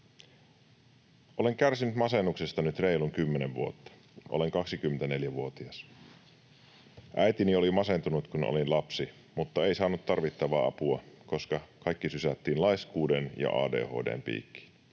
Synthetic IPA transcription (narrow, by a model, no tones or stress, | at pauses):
ʔo̞le̞ŋk̟ærsinyt̪mɑse̞nːuksest̪ɑnyt̪reijluŋkymːeneʋʋṵot̪ːɑ̥ | ʔole̞ŋkɑksik̟ymːent̪æne̞ljæʋuot̪iɑs | ʔæjt̪inio̞limɑse̞nt̪unut̪kunʔo̰linlɑpsi | mut̪ːɑe̞ijsɑːnut̪t̪ːɑrʋit̪ːɑʋɑːʔɑ̰puɑko̞skɑkɑjkːisysæt̪ːiːnlɑjskuːdenjɑ̰ʔɑ̰ːde̞̰ːho̞̰ːde̞̰ːmpḭːkːi̥ːn